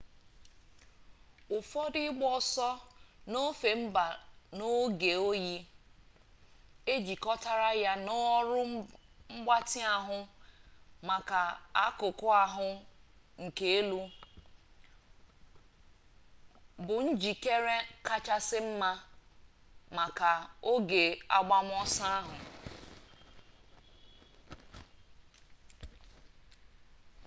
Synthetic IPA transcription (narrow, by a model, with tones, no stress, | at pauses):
ʊ˨fɔ˦dɪ˦ɡ͡bɔ˦sɔ˦no˦fe˨m̩˦ba˨no˦ɡe˨o˦ji˦ | e˦d͡ʒi˨kɔ˦ta˦ɾa˦ja˦no˦ɾʊ˦ŋ͡m̩˦ɡ͡ba˦tɪ˦a˨ɦʊ˦ | ma˨ka˨a̰˦kʊ˨kʊ˦a˨ɦʊ˦ | ŋ̩˨ke˦e˦lu˦ | bʊ˨n̩˦d͡ʒi˨ke˦ɾe˦ka˦t͡ʃa˦sɪ˦m̩˦ma˦ | ma˨ka˨o˦ɡe˨a̰˦ɡ͡ba˦m̩˦ɔ˦sa˦a˦ɦʊ˨